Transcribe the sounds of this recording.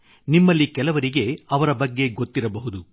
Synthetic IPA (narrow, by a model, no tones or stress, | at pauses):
nimːɐlːikɛlɐʋɐɾiɡe̞ɐʋɐɾɐbɐɡːe̞ɡo̞t̪ːiɾɐbɐɦud̪u